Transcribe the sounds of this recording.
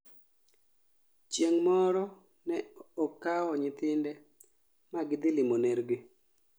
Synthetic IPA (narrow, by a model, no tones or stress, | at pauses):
t͡ʃjeŋmɔɾɔ | nɛɔkːaɔɲɪt̪ɪndɛ | maɡɪd̪ɪlɪmoneɾɡe